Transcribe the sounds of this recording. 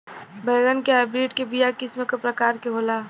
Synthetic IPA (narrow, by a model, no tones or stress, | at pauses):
bəːɡənkeaɪbɾiːɖkebijakɪsmekəpɾəkaːɾkeɦolaː